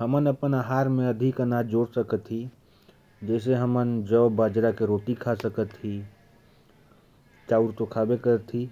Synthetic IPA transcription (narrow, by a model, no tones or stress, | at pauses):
ɦəmənəpənaɦaːɾmẽəd̪ʱikənad͡ʒoːɽsəkət̪ɦi | d͡ʒɛɪs̬eɦəmənd͡ʒəːbaːd͡ʒɾakeɾoːt̪ikʰasəkət̪ɦi | t͡ʃaːuɾt̪okʰabekəɾt̪ʰːi